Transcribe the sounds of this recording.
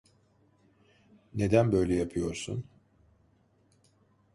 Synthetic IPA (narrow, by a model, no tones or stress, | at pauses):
ne̞d̪ænbø̞jlʲɛjapʰɯjo̞ɾsṵn